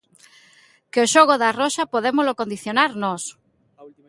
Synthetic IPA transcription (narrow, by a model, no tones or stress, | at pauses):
keoʃoɣoðarɔʃapoðemozlokond̪iθjonaɾnɔs